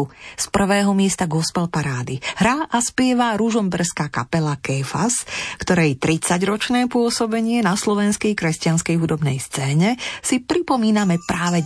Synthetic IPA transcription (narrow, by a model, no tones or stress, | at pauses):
uspr̩ʋɛːɦɔmɪɛst̪aɡɔspɛlpaɾaːd̪iɦɾaʔaspɪɛʋaɾuʒɔmbɛrskaːka̰pɛlakɛfa̰skt̪ɔɾɛjt̪ɾit͡saɟɾɔt͡ʃnɛːpʊɔsɔbɛɲɪɛnaslɔʋɛnskɛjkɾɛscɪanskɛjɦud̪ɔbnɛ̰jst͡sɛːɲɛsipɾipɔmiːnamɛpɾaːʋɛ